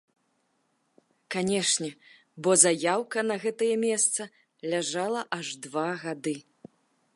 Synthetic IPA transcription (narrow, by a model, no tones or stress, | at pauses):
kanʲɛʂnʲɛ | bɔzajawkɐnɐɣɛt̪ɐjɛmʲɛst̪sɐ | lʲaʐalˠɐʔaʐd̪vaɣad̪ɨ